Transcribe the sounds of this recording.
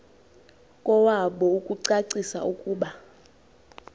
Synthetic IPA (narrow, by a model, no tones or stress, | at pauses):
kʼɔwaɓɔukʼuǀaǀisa̰ukʼuːɓa